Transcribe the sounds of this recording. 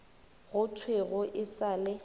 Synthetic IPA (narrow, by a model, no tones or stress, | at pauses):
ɣʊtʰweɣʊʔɪsaːlɪ